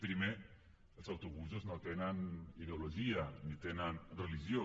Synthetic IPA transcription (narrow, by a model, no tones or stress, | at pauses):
pɾime | elsawt̪oβus̬oznot̪enaniðeoloʒianit̪enanreliʒjo